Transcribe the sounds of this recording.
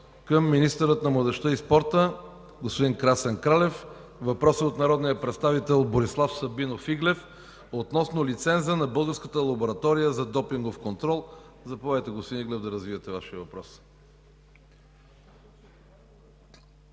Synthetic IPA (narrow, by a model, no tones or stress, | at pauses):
kəmːinist̪əɾət̪nɐmlˠəd̪ɛʃt̪əispɔɾt̪ə | ɡospod̪iŋkɾasɛnkɾalɛf | vɐpɾɔsəot̪nɐɾɔd̪nijəpɾɛt̪st̪avit̪ɛlˠboɾislˠafsɐbinofiɡlɛf | ot̪nɔsnolit̪sɛnzənɐbɤlˠɡəɾskət̪əlˠɐboɾɐt̪ɔɾijəzɐd̪ɔpiŋɡofkont̪ɾɔlˠzɐpovajt̪ɛɡospod̪iniɡlɛvd̪ɐɾəzvivɐt̪ɛvaʃiəvɐpɾɔs